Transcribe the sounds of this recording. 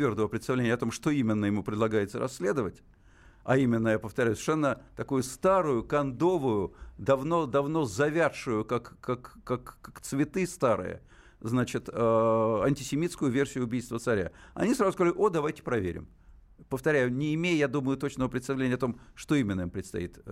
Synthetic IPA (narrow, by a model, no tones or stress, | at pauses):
vʲe̞rd̪əvəpɾʲɪt̪st̪ɐvlʲenʲjəɐt̪o̞mʂt̪o̞imʲɪnːəjɪmupɾʲɪd̪lˠɐɡajɪt̪səɾʔɐ̰sʲːlʲe̞d̪əvətʲ | ɐ̰imʲɪnːəjapəft̪ɐɾʲɛjʊsʲɪ̥ʂɛnːət̪ɐkujʊst̪aɾʊjʊkɐnd̪o̞vʊjʊd̪ɐvno̞d̪ɐvno̞zɐvʲat̪ʂʊjʊkakːakːakːakt̪svʲɪt̪ɨst̪aɾɨ̰jə̰ | znat͡ɕɪt̪əɐnʲtʲɪsʲɪmʲit̪skʊjʊvʲersʲɪjʊbʲijst̪vət̪sɐɾʲa̰ɐ̰nʲisɾazʊskɐazalʲɪʔo̞d̪ɐvajtʲɪ̥pɾɐvʲḛɾʲɪ̰m | pəft̪ɐɾʲæjʊnʲɪːmʲejjad̪uməjʊt̪ot͡ɕnəvəpɾʲɪt̪st̪ɐvlʲenʲɪjɐt̪o̞mʂt̪o̞imʲɪnːəimpɾʲɪt̪st̪ɐ̰ḭt̪